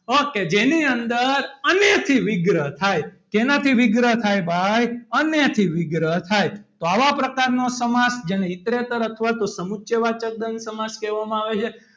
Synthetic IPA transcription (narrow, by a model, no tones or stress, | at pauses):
ɦoked͡ʒeniənd̪əɾənjət̪ʰiʋɪɡɾəɦt̪ʰajk̪enat̪ʰiʋɪɡɾəɦt̪ʰajbʱajənjət̪ʰiʋɪɡɾəɦt̪ʰajt̪oaʋapɾəkaɾnosəmasd͡ʒeñeɪt̪ɾet̪əɾət̪ʰəʋat̪osəmutːʃeʋat͡ʃək̚d̪ənsəmaskɛʋamãaʋet͡ʃʰe